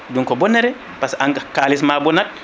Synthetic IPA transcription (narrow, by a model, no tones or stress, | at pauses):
duŋkɔbɔnːɛɾɛ | pasaŋkalis̬mabɔnad̚